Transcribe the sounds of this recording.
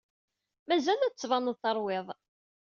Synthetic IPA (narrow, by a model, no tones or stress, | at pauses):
mæzælæt͡sːvɑnəðˤθɑɾˤwɪðˤ